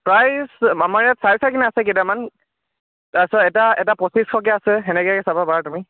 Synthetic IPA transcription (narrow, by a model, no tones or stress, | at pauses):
pɹajsamaɹjatsajsʰakinɛasɛketaman | tasɔɛtaɛtapɔsiskʰɔk̬ɛasɛxɛnɛkɔakɛsababaɹatumi